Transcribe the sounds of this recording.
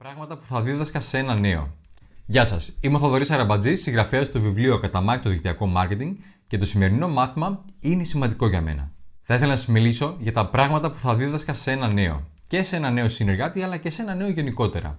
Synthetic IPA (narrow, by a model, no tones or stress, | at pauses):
pɾɐɣmɐt̪ɐpu̥θɐðiðɐskɐse̞nɐne̞o̞̰ | ʝɐsɐ̰simoθoðo̞ɾisɐɾɐbɐd͡zisiŋɣɾɐfeɐst̪o̞vivlio̞kɐt̪ɐmɐçit̪oðikt̪iɐko̞mɐɾce̞t̪iŋɡ | ce̞t̪o̞sime̞ɾino̞mɐθimɐine̞simɐnd̪iko̞ʝɐme̞̰nɐ̰θɐiθelɐnɐsɐzmiliso̞ʝɐt̪ɐpɾɐɣmɐt̪ɐpu̥θɐðiðɐskɐse̞nɐne̞o̞̰ | ce̞se̞nɐne̞o̞sine̞ɾɣɐt̪iɐlɐce̞se̞nɐne̞o̞ʝe̞niko̞t̪e̞ɾɐ̰